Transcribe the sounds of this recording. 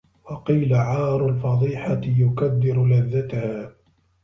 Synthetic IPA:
wɑqiːlaʕɑːɾˤʊlfɑd̪ˤiːħaɪjʊkad̪ːɪɾʊlaðːat̪ahaː

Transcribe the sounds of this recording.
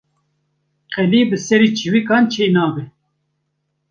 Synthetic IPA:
qɛliːbɨsɛɾiːt͡ʃʰiwikɑːnt͡ʃʰeːnɑːbɛ

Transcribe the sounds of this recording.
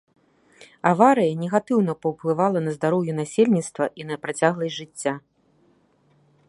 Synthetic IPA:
avaɾɨjɐnʲɛɣat̪ɨwnɐpɐwplˠɨvalˠɐnɐzd̪aɾɔwjunasʲelʲnʲit̪st̪vɐʔinɐpɾat͡sʲaɣlˠɐjʲʐɨt͡sʲːa

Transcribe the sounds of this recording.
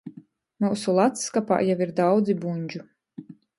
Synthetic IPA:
muːsulˠat̪skapa̰ːjawiɾd̪awd̪zibuɲʲd͡ʒu

